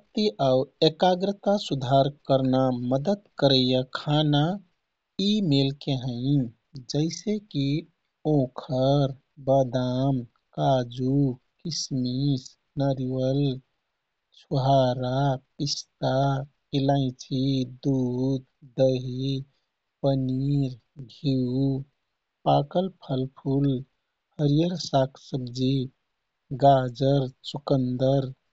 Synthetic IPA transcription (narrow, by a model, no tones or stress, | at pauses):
pkt̪iʔawekaɡɾət̪asud̪ʱaɾkəɾnaməd̪əd̪kəɾəjakʰana | imelkeɦə̃ɪ̃ | d͡ʒəɪseki | õkʰəɾ | bəd̪am | kad͡ʒu | kismis | nəɾiwəl | t͡ʃʰuɦaɾapist̪a | ilãɪ̃t͡ʃʰid̪ud̪d̪əɦi | pəniɾ | bʱiu | pakəlpʰəlpʰul | həɾijəɾsakʰsəbd͡ʒi | ɡad͡ʒəɾt͡ʃukənd̪əɾ